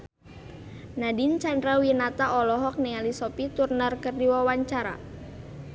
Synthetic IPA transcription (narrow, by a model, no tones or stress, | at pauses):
nadint͡ʃandɾawinat̪aʔɔlɔɦɔk̚nialisɔpit̪urnarkərdiwawaɲt͡ʃaɾa̰